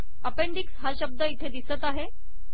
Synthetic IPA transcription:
əpeɳɖiksɦaɕəb̚d̪əit̪ʰed̪isət̪aɦe

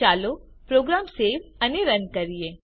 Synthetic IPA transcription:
aːlopɾoːɡɾaːmseːʋɐneɾɐnkɐɾieː

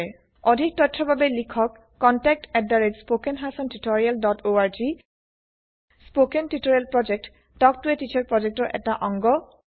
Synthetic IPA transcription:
ɔdʱik̚tɔtʰɹɔbʱabɛlikʰɔkːɔntɛk̚tɛddaɹed͡ʒspokɛnɦasɔntutɔɹialdɔtoaɹd͡ʒi | spokentutɔɹialpɹɔd͡ʒɛk̚t | d̥ɔk̚tuɛtit͡ʃʰaɹpɹɔd͡ʒɛk̚tɔɹʔɛ̰taʔɔŋɡɔ

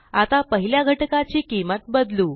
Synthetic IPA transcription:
at̪apəɦiljaɡʱəʈkat͡ɕiːkimət̪bəd̪luː

